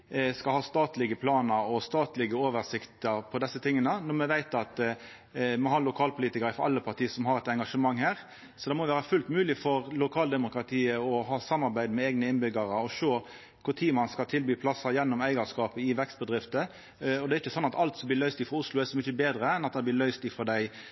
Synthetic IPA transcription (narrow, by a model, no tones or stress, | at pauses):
skɑlhɑːst̪ɑːt̪lɪɡəpʰlɑːnəɾɔst̪ɑːt̪lɪɡəoːʋəʁsɪkt̪əɾpʰɔd̪ɛsːət̪ʰɪŋːənənɔmɛʋæɪt̪ɑt̪ | mɔhɑːlʊkʰɑːlpʰʊliːt̪ɪkəɾəfɔɾɑ̰lːəpʰɑʁt̪ʰiːəsɔmɦɑʁɛt̪ɛŋɡɑʂəmɑŋːhæːʁ | sɔd̪ɛmɔʋæːʁɾəfʉlt̪mʉːlɪfɔʁlʊkʰɑːld̪ɛmʊkɾɑt̪ʰiːəɔɦɑːsɑmːɑɾbæɪd̪mɛɛɡnəɪnbʏɡəɾəɔʂoː | kʰʊʁt̪ʰiːmɑnskɑlt̪ʰɪlbyːpʰlɑsːəɾjɛnːɔmæɪɡɑskɑːpəɪʋɛkst̪̚bəd̪ʁɪft̪ə | ɔd̪ɛæɾɪçːəsɔnːɑt̪ɑlt̪sɔmb̪lɪːʁlœʏst̪iːfɔɾʊslʊæsɔmʏçəbeːd̪ɾəɛnɑt̪̚d̪ɛɪblɪːlœʏst̪ifɔd̪æɪ